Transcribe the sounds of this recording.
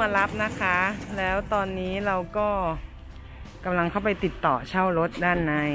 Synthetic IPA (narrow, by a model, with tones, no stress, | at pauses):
a˧la˦˥p̚na˦˥kʰa˦˥lɛː˦˥wt̪ɔː˧nːiː˦˥ɾa˧wkɔː˥˩ | ka˧mla˧ŋkʰa˥˩wpa˧jt̪i˨˩t̪ːɔː˨˩t͡ɕʰa˥˩wɾo˦˥t̪̚daː˥˩nːa˦˧˥j